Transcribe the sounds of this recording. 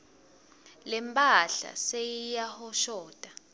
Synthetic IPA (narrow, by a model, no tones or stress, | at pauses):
lɛmpʼaɬa̰sejijahɔʃɔːd̥ʱʼa